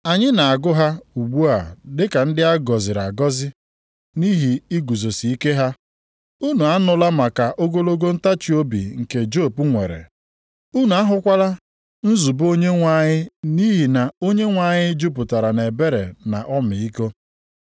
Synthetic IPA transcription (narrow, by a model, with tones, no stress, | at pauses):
a˨ɲɪ˦na˨a˨ɡʊ˦ɦa˦u˨ɡ͡bu˦a˨dɪ˦ka˨n̩˦dɪ˦a˦ɡɔ˨zɪ˨ɾa˨ɡɔ˦zɪ˦ | ni˦ɦi˨i˦ɡu˨zo˨si˨i˦ke˦ɦa˦ | u˦nu˨a˦nʊ˦la˦ma˨ka˨ʔo˦ɡo˦lo˦ɡo˦n̩˦ta˦t͡ʃi˨˦o˦bḭ˨ŋ̩˨ke˨d͡ʒo˦˨pu˦ŋʷḛ˨ɾḛ˨ | u˦nu˨a˦ɦʊ˦kʷa˦la˦ | n̩˦zu˨bo˦ɲe˦ŋʷa˦ɲɪ˦ni˦ɦi˨na˨o˦ɲe˦ŋʷa˦ɲɪ˦d͡ʒu˦p̬ʊ˨ta˨ɾa˨ne˨be˦ɾḛ˨na˨ʔɔ˦mɪ˨i˦ko˦